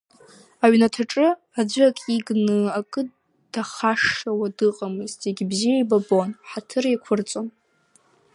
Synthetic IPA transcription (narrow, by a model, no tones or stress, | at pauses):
aɥnatʰaʈ͡ʂʼɨ | ad͡ʒʷakʼiɡnɨakʼɨ | d̥aχaʂawadɨqʼamɨztʰeɡʲbzijajbabo̞nħatʰɨrjakʷʰʊrt͡sʼon